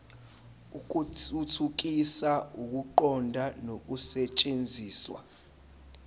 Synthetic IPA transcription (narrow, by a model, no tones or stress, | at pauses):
uk̬uutʰuk̬isauk̬uǃɔndʱanok̬usɛt͡ʃʼend͡zʱiːswa̰